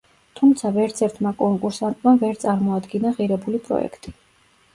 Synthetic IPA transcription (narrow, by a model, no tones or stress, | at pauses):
t̪ʰumt̪sʰavɛɾt̪sʰɛɾt̪ʰmakʼɔŋkʼuɾsant̪ʼmavɛɾt̪sʼaɾmɔad̪ɡinaʁiɾɛbulipʼɾɔ̰ɛ̰kʰt̪ʼi̥